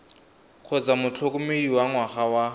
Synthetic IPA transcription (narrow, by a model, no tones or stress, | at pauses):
kʰɔt͡sʼamʊt͡ɬʰʊkʼʊmeiwaŋwaχawa